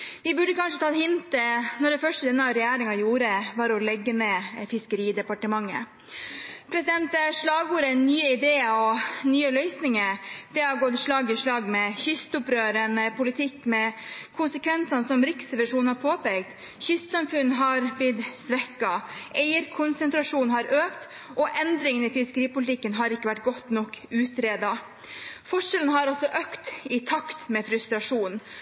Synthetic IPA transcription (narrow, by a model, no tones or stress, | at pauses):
ʋɪbʉɖːəkɑnʂət̪ʰɑːt̪hɪnt̪ənɔɖɛfœʂʈəd̪ɛnːɑɾɛjæːɾɪŋɑjuːɾəʋɑɾɔlɛɡːəmɛfɪskəɾiːd̪ɛpɑʈəmɑŋːə̰ | pʰɾɛsɪd̪ɛnt̪ʂɭɑːɡuːɾɛnːyːəɪd̪eːəɔnyːəlœʏsnɪŋəɾd̪̥ɛɑɡɔːd̪ʂɭɑːɡɪʂɭɑːɡmɛçʏst̪ʊpɾøːɾənəpʰʊlɪt̪ʰɪkːmɛkʰʊnsəkʋɛnsɑnsɔmɾɪksəʋæʂuːnhɑɾpʰoːpɛɡt̪ | çʏst̪sɑmfʉnːɦɑɾb̪ɪd̪sʋɛkːɑʔeɪəɾkʰʊnsənt̪ʰɾɑʂuːnhɑɾøːkt̪ | ʔɔʔɛnd̪ɾɪŋənɪfɪskəɾiːpʊlɪt̪ɪkːənɦɑɾɪkːəʋæʈ̚ːɡɔt̪ːnɔkːʉːt̪ɾeːd̪ɑ | fɔʂɛlənhɑɾɔsɔʔøkt̪ɪt̪ʰɑkt̪mɛfɾʉst̪ɾɑʂuːn